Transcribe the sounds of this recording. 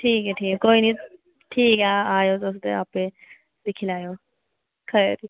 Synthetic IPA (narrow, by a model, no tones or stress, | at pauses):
ʈʰiːkɛʈʰiːkɛkoini | ʈʰiːkaajod͡zos̬d̪eapẽ | d̪ikʰilajo | kʰəeɾi